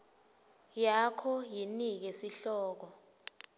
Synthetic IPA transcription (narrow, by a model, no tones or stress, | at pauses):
jakʰɔjinik̬ɛsiɬɔːk̬ɔ